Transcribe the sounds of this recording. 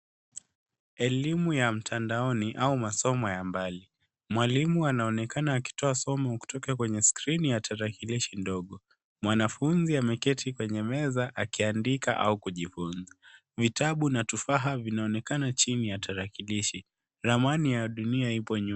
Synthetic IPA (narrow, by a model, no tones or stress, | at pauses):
ɛlimujam̩tʰandaɔniʔaumasɔmɔjambali | mwalimuanaɔnɛkanaːki̥tɔasɔmɔku̥tɔkakwɛɲɛskɾinijatʰaɾakiliʃindɔɠɔ | mwanafunziamɛkɛtʰikwɛɲɛmɛzaʔakiandika̰ʔa̰ukuʄifunza | vitaɓunatufaɦavinaɔnɛkanat͡ʃinijatʰaɾakiliʃi | ɾamanijaɗuniaipɔɲu